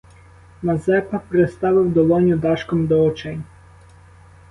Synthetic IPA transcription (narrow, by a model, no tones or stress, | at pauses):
mɐzɛpɐpɾest̪ɑʋɪwd̪ɔlˠɔnʲʊd̪ɑʃkɔmd̪ɔɔt͡ʃɛnʲ